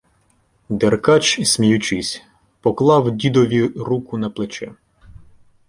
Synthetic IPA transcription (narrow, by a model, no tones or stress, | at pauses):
d̪erkɑt͡ʃsʲmʲijʊt͡ʃɪsʲ | pɔklˠɑwdʲid̪ɔʋʲiɾukʊnɐplˠet͡ʃɛ